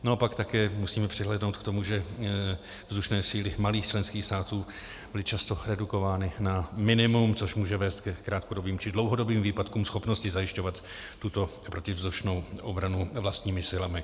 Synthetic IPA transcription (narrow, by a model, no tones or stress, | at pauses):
naopakt̪akɛːmusiːmɛpr̝̥ɪɦlɛːdno̞wt̪kt̪o̞muʒɛ | vzd̪uʃnɛːsiːlɪmaliːxt͡ʃlɛnskiːxst̪aːt̪uː | bbɪlɪt͡ʃast̪o̞ɾɛduko̞vaːnɪnamɪnɪmumt͡so̞ʃmuːʒɛvɛːst̪kɛkɾaːt̪kodo̞biːmt͡ʃɪdlowɦo̞do̞biːmviːpat̪kuːmsxo̞pno̞scɪzajɪʃco̞vat̪ː | ut̪o̞ | pɾo̞cɪvzd̪uʃno̞wʔobɾanuvlast̪ɲiːmɪsɪlamɪ